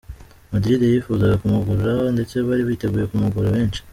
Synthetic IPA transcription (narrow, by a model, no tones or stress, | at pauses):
madɾidejifuzaɡakumuɡuɾuɾaonde̞t͡se̞βaɾiβiːte̞ɡuːje̞kumuɡuɾaβe̞ːnʃi̥